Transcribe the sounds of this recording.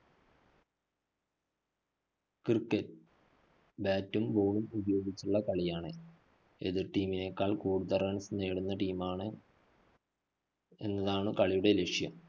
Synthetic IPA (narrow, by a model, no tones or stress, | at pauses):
kirkːɐt | baːtːumboːɳumubɐjo̞ːɡit͡ɕːuɭːɐkɐɭijaːɳɨ | ḛðiʈiːmine̞kːaːɭkuːɽuðɐrɐɳsneːɽunːɐʈiːmaːɳɨ | e̞̰nːɐðaːɳɨkɐɭijuɽe̞leʂijɐm